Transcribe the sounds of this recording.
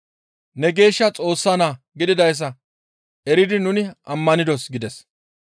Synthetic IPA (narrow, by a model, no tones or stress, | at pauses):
nɛɡe̞ːʃːɐt͡sʼo̞ːsːɐnaː | ɡɪd̪ɪd̪ɐjs̬ɐ | ʔɛɾɪd̪ɪnʊnɪʔɐmːɐnɪd̪ɔsɡɪd̪ɛs